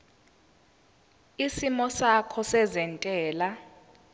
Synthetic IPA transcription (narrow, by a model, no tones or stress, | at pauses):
isimɔsakʰɔsɛzɛntʼɛːla